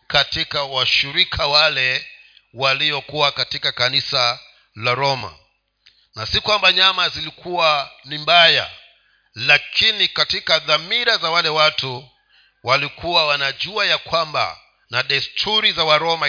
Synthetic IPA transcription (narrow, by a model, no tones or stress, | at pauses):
katikawaʃiɾikʰawalɛ | waliɔkuwakatikakanisa | laɾɔma̰ | nasikwambaɲamazilikʰuwanimbaja̰ | lakʰinikatikaðamiɾazawalɛwatu | walikʰuwawanaʄuajakwamba̰ | naɗɛstʰuɾizawaɾɔma